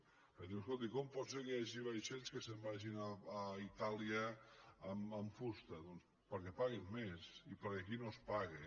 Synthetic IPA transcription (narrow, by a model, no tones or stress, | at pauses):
əðiwskolˠt̪ikɔmpɔsekeaʒiβajʃɛʎskəsəmbaʒinaːit̪alˠiəəmːɱfust̪əðɔns | pəɾkɛpaɣimːesipəɾəkinospaɣe